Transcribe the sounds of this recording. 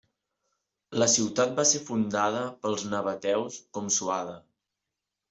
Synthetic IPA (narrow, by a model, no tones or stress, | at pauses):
ləsiwt̪at̪̚baseɾfund̪aðəpəlˠznəβət̪ɛwskɔmsuaðə